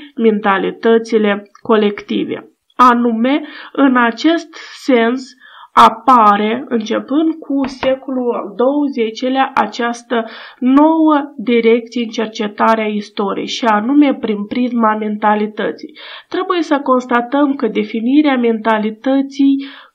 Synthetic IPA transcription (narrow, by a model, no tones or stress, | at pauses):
me̞nt̪alit̪ət̪sile̞ko̞le̞kt̪ive̞̰ | anume̞ɨnat͡ʃe̞st̪se̞ns | apaɾe̞ɨnt͡ʃe̞pɨnd̪̚kʰuse̞koluld̪o̞wəzet͡ʃeleaʔat͡ʃast̪əno̞wəd̪iɾe̞k̚t̪sijeɨnt͡ʃe̞rt͡ʃe̞t̪aɾeaist̪o̞ɾḭjʃianume̞pɾinpɾizmame̞nt̪alit̪ət̪sijt̪ɾe̞buje̞səko̞nst̪at̪əmkəd̪e̞finiɾeame̞nt̪alit̪ət̪sij